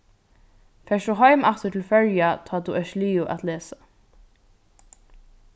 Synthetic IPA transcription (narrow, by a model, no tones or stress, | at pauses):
fɛːʃuɦɔʏmaft̪əʈʰɪlfœljat̪ʰɔːt̪uʔɛʃliːʊʔa̰t̪leːsḁ